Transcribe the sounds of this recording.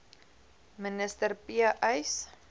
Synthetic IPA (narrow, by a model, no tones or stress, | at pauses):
mənəstərpiəʔɐjs